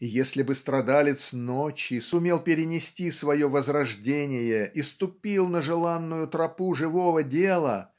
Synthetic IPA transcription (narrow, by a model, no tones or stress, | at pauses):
ijesʲlʲɪbɨst̪ɾɐd̪alʲɪt̪snot͡ɕɪsʊmʲe̞lˠpʲɪɾʲɪnʲɪsʲtʲisvɐjo̞vəzrɐʐdʲenʲɪjəʔist̪ʊpʲilˠnəʐɨlˠanːʊjʊt̪ɾɐpuʐɨvovədʲelˠə